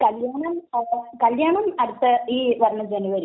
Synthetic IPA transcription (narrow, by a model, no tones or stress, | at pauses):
kɐljaːɳɐmkɐljaːɳɐmɐɽut̪ːɨiːʋɐɾɐɳɐd͡ʑenuʋɐɾu